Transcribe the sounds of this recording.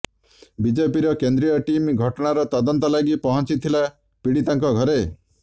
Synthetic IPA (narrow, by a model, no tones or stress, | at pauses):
bid͡ʒepiɾɔkend̪ɾijɔʈimɡʱɔʈɔɽ̃aɾɔt̪ɔd̪ɔnt̪ɔlaɡipɔɦɔnt͡ʃit̪ʰila | piɽit̪aŋkɔɡʱɔɾe